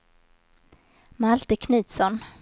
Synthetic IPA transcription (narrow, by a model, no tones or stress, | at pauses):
malt̪əkʰnʉ̟ːt̪sɔn